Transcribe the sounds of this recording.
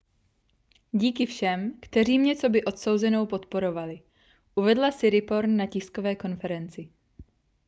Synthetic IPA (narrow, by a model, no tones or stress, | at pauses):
ɟiːkɪfʃɛmkt̪ɛr̝iːmɲɛt͡so̞bɪʔo̞t̪so̞wzɛno̞wpo̞t̪po̞ɾo̞valɪ | ʔuvɛdlasɪɾɪpo̞ɾnːacɪsko̞vɛːko̞nfɛɾɛnt͡sɪ